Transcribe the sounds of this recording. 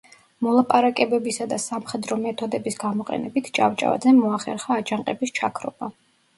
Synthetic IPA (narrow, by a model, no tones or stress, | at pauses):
mɔlˠapʼaɾakʼɛbɛbisad̪asamχɛd̪ɾɔmɛt̪ʰɔd̪ɛbisɡamɔqʼɛ̰nɛbit̪ʰt͡ʃʼa̰vt͡ʃʼa̰va̰d̪zɛmɔaχɛ̰ɾχaːd͡ʒaɴqʼɛbist͡ʃʰakʰɾɔ̰ba